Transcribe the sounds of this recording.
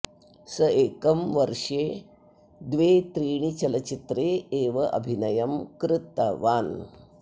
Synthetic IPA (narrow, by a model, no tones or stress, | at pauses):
sɐeːkɐmʋɐɾʂeː | d̪ʋeːt̪ɾiːɳ̃it͡ɕɐlɐt͡ɕit̪ɾeːeːʋɐʔɐ̰bʱinɐjɐmkɾɪt̪a̰ʋaːn